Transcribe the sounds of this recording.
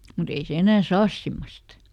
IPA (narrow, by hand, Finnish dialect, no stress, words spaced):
mut ei se enæː sɑːs simːost